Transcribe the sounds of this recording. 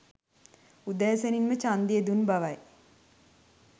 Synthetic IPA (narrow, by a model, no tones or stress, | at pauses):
ud̪æːsəninmət͡ʃand̪ijed̪unbaʋaj